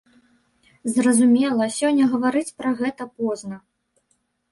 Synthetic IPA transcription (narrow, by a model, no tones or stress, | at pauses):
zrɐzumʲɛlˠɐsʲɔnʲːɐɣɐvaɾɨt͡sʲpɾɐɣɛt̪ɐpɔznɐ